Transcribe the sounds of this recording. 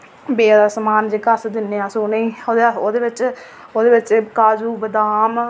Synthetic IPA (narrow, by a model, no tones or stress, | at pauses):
beːaːsəmaːnd͡ʒekəsd̪ɪnːeːãːsoːneĩːoːd̪eoːd̪eːʋɪt͡ʃ | oːd̪eːʋɪt͡ʃkaːd͡ʒuːbəd̪aːm